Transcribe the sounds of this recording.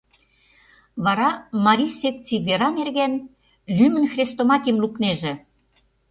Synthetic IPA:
βɑɾɑmɑɾʲisett͡siβeɾɑnerɣen | lymə̆nxrʲest̪omɑtʲimlukneʒĕ

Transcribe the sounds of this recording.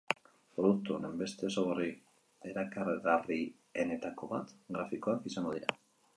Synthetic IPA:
pɾo̞ðuk̚t̪uonembe̞st̪e̞soɣ̞ori | e̞ɾakarɣari | e̞ne̞t̪ako̞βat̪ɣɾafiko̞akisaŋɡo̞ðiɾa

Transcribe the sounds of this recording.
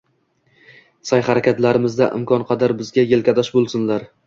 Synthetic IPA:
sajχɑɾakʲat̪laɾɪmɪzd̪aʔɪ̰mkʰɒnqʰɑd̪aɾbɪzɡʲajelkʲad̪ɒʃbolˠsɪnlaɾ

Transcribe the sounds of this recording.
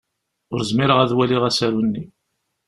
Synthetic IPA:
ʊɾzmiɾəʁæðwæliʁæsæɾwənːi

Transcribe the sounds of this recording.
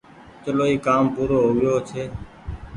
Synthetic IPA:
t͡ʃəloːiːkaːmpuːɾoːɦoːʋɪjoːt͡ʃʰeː

